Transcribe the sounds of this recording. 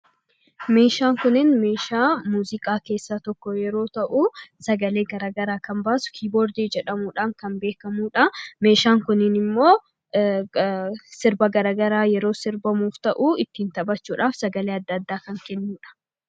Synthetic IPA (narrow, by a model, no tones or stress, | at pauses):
me̞ːʃaːŋkʊnːɪnme̞ːʃaːmuːzɪkʼaːke̞ːsːat̪ɔkːɔjɛɾo̞ːt̪ɐʔuːsɐɡɐle̞ːɡɐɾaːɡɐɾaːkɐmbaːsʊ̥kʰiːboːɾd̪iːd͡ʒɛᶑɐmuːᶑaːŋkɐnbe̞ːkɐmuːᶑɐme̞ːʃaːŋkʊnːɪnɪmːo̞ː | sɪɾbɐɡɐɾaːɡɐɾaːjɛɾo̞ːsɪɾbɐmuːft̪ɐʔuːɪt̪ːiːnt̪ɐbɐt͡ʃːuːᶑaːfsɐɡɐleːɐd̪ːɐɐd̪ːaːkɐŋkɛnːuːᶑɐ̥